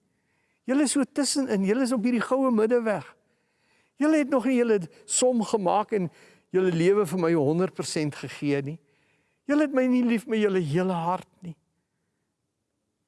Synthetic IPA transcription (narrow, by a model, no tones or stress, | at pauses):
jələəsːuətəsənənjələəs̬ɔpɦiːrdiχəwəmədəvæχ | jələɦɛtnɔχnijələ | sɔmχəmɑːkɛn | jələliəvəfərməjɦɔndərt̚pərsɛntχəχiəni | jələɦɛtməjnilifmɛjələɦiələɦɐrt̚ni